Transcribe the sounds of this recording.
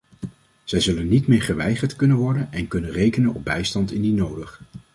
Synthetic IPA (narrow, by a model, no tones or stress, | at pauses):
z̥ɛjzɵlənːitmɪːɹχəʋɛjχəɹtkɵnənʋɔɹdənɛnkɵnənrejkənənɔ̰b̚bɛjstɑntɪndinowdəχ